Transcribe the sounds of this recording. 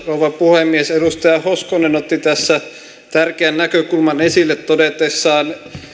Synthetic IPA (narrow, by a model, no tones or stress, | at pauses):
rouʋɑpuhemːiesedust̪ɑjɑhoskonenot̪ːit̪æsːæ | t̪ærkeænnækøkulmɑnesilːet̪t̪odet̪esːɑːn